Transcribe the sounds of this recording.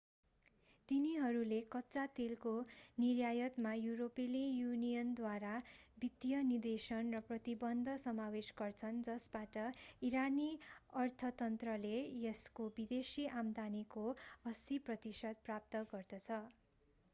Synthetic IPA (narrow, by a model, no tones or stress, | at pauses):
t̪iniɦʌɾulekʌtːt͡sat̪elkonirjajʌt̪majuɾopilijunijʌnd̪waɾabit̪jʌnird̪esʌnrʌprʌt̪ibʌnd̪ʱʌsʌmawesɡʌrt͡sʰʌnd͡zʌsbaʈʌiɾaniʌrt̪ʰʌt̪ʌnt̪rʌlejeskobid̪esiʔamd̪anikoʌsiprʌt̪isʌd̪̚prap̚t̪ʌɡʌrd̪ʌt͡sʰʌ